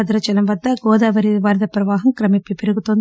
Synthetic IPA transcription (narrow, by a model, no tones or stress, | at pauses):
ɐd̪ɾɐt͡ʃɐlɐmʋɐd̪ːɐɡɔːd̪aːʋɐɾiʋɐːɾd̪ɐpɾɐʋaːɦɐmkɾɐmipːipeɾɐɡut̪ond̪